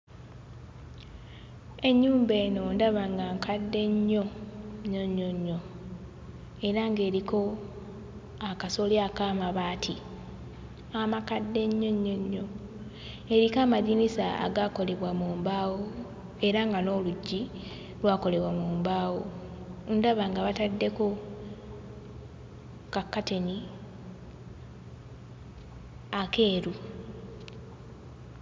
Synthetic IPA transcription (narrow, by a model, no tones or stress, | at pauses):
e̞ɲːuːmbe̞ːno̞ndaβaŋɡaːŋkʰadːe̞ɲːo̞ɲoɲːoɲːo̞ | e̞ɾaŋɡe̞ːɾiko̞ | akaso̞ljakaːmaβaːtʰi | amakadːe̞ɲːo̞ɲːo̞ɲːo̞ | e̞ɾikaːmaðinisaa̰ɡaːko̞le̞βwamuːmbaːwo | e̞ɾaŋɡano̞ːluɟːi | lwaːko̞le̞βwamuːmbaːwo | ndaβaŋɡaβatadːe̞ko̞ | kakːate̞ni | ake̞ːɾu